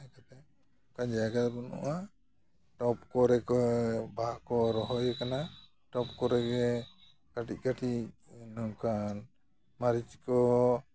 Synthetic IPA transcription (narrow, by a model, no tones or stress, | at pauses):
akat̪ɛ | kand͡ʒaaɡat̪bɔnɔ̰ʔa | ʈɔpkɔɾɛkɔbakɔɾɔɦɔjɛkana | ʈɔp̚kɔɾɛɡɛ | kaʈic̚kaʈinɔŋkan | maɾit͡ʃi̥kɔ